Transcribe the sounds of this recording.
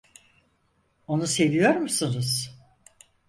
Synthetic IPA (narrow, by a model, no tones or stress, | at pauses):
o̞nuse̞vijo̞ɾmusunuz̥